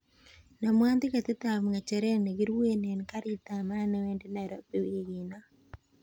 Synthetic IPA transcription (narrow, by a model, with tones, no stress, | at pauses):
na˨mwa˦nd̪ɪ˦ka˨t̪ɪ˦t̪a˨mŋa˨t͡ʃɛ˨ɾɛ˦ne˨ɡɪ˦ɾwe˦ne˨nka˦ɾi˦t̪a˨ma˦nɛ˦wɛ˦nde˦na˨ɾɔ˦pe˦˨we˦ɡina˦